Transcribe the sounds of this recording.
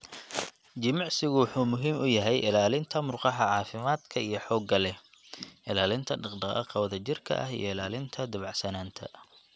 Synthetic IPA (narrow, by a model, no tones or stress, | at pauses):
d͡ʒɪmɑʕsɪɣʊwʊħuːmʊɦiːmʊjɐɦɛjʔɪlaːlɪnt̪ʰɐmʊrqɑħɐʕɑːfɪmaːd̪kʰɐijɞħɔːɡɐlɛ | ʔɪlaːlɪnt̪ʰɐɖɑqɖɑqɐ̰qɑwɐðɐt͡ʃɪrkʰɐ̰ʔɐɦḭjɔ̰ɪlaːlɪnt̪ʰɐd̪ɐβɑʕsɐnaːnt̪ʰɐ̰